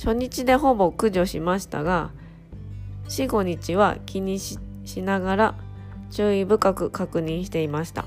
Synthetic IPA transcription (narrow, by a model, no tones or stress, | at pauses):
ɕo̞ɲ̟it͡ɕid̪e̞ɦo̞bo̞kɯ̟ʑo̞ɕimaɕi̥t̪a̰ɡa | ɕiɡo̞ɲ̟it͡ɕiβa̰kʲiɲ̟iɕinaɡaɾa | t͡ɕɨːibɯ̟kakɯ̟kakɯ̟ɲ̟ĩɰ̃ɕi̥t̪e̞imaɕi̥t̪a̰